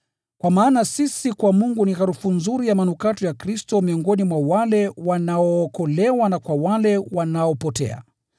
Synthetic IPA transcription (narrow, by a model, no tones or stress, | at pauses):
kwamaːnasisikwamuŋɡuniɣaɾufunzuɾijamanukatɔjakɾistɔmiɔŋɡɔnimwawalɛwanaɔːkɔlɛwanakwawalɛwanaɔpɔtɛ̰a̰